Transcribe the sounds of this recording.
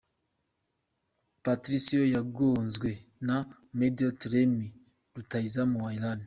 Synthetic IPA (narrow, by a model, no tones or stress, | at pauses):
patɾisiojaɡonzɡwena | medotɾemi | ɾutaizamuwailani